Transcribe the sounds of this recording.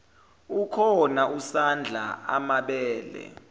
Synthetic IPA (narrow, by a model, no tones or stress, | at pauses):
ukʰɔnaʔusand͡ɮʱa̰a̰maɓɛːlɛ̰